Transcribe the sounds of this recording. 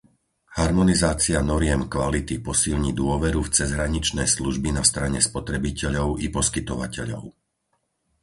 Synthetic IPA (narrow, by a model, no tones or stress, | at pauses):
haɾmɔnizaːt͡sianɔɾɪɛmkʋalit̪ipɔsilɲid̪ʊɔʋɛɾuft͡sɛzɦɾaɲit͡ʃnɛjsluʒbinast̪ɾaɲɛspɔt̪ɾɛbicɛʎɔʊipɔskit̪ɔʋacɛʎɔ̰ʊ